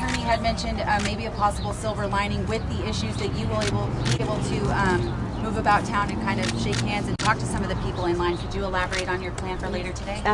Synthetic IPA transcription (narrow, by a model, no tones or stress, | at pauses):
tʰɜ̃˞niɨd̚mɛ̃nʃɨ̃ndmeɪbiɨpʰɑsəbl̩ˠsɪlˠvə˞lãɪ̃nɪ̃ŋwɪðiɪʃʉzðɨt͡ʃɨwə˞eɪbl̩ˠb̥ieɪbl̩ˠtʰɨ | muvɨbaʊtʰãʊ̃nɨ̃nkʰãɪ̃ndʌv̥ʃeɪkhæ̃ndzɨ̃ntʰɔk̚tʰɨsʌ̃mʌvðɨpʰipl̩ˠɪ̃nlãɪ̃nkʰɨd͡ʒɨəlæbə˞eɪɾn̩jə˞pʰl̥æ̃nfə˞leɪɾə˞tʰɨdeɪ